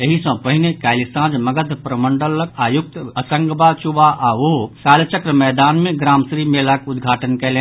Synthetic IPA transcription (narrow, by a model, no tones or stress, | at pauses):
jəɦisɔ̃pəɦinekaːlisãːd͡ʒmɐɡəd̪ʱpɾəmə̃ɳɖələkaːjʊk̚t̪əsə̃ŋɡbat͡ʃubaʔaʋosaːlt͡ʃəkɾəmɛːd̪aːnmẽɡɾaːmsɾiːmelakʊd̪ɡʱaːʈənkelẽ